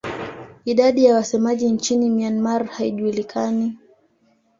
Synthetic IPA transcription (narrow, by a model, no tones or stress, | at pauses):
iɗaɗijawasɛmaʄint͡ʃinimianmaɾhaiʄuːlikʰani